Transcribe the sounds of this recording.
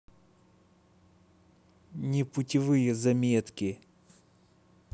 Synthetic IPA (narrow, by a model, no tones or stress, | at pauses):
nʲɪpʊtʲɪvɨjəzɐmʲet̪kʲɪ